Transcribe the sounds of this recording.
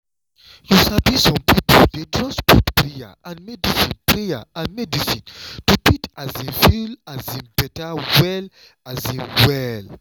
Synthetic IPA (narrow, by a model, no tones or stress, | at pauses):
jusabisɔ̃mpipoldetʰɹɔ̃spɔtpɹija̰ãnmɛdisĩnpɹejaãnmɛdisĩntutitazĩnfilazĩnbɛtawɛl | azĩnwɛl